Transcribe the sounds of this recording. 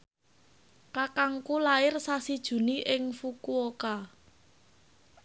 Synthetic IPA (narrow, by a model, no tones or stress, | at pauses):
kakaŋkulaɪrsasid̥ʒ̥ṳniʔɪŋfukuoka